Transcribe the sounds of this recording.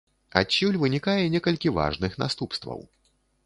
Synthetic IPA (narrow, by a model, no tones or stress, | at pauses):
a̰t͡ɕʲːulʲvɨnʲikajɛnʲɛkɐlʲkʲiva̰ʐnɨxna̰st̪upst̪vɐ̰w